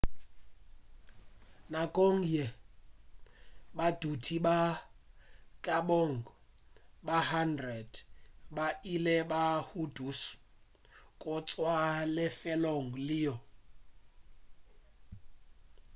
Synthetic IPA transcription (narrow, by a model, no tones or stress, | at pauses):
nakʼoŋ̩jɛ | bad̥utʰiɓa | kʼaboŋ̩ | bahandrɛd̥bailɛbahudus | kʼʊt͡sʼwalɪfɛloŋ̩lɪːjɔ